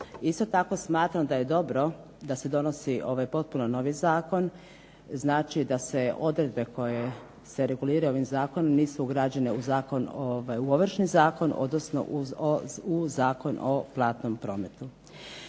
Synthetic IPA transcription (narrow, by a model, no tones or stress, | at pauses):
ist̪o̞t̪ako̞smaːt̪ɾamd̪aje̞d̪o̞bɾo̞ | d̪ase̞d̪o̞no̞siʔo̞ʋajpo̞t̪̚punono̞ʋizaːko̞n | znaːt͡ʃid̪ase̞o̞d̪ɾed̪̚be̞ko̞je̞ | se̞ɾe̞ɡuliːɾao̞ʋimzaːko̞nomniːsuuɡɾaːd͡ʑeneuzaːko̞noʋajuoʋr̩ʃnizaːko̞nʔo̰d̪nosno̞̰ | uzaːko̞noplˠaːt̪nompɾo̞ːme̞t̪u